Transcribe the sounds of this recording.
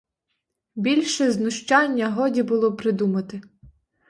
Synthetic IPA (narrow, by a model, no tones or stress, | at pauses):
bʲilʲʃɛznʊʃt͡ʃɑnʲːɐɦɔdʲibʊlˠɔpɾɪd̪umɐt̪ɪ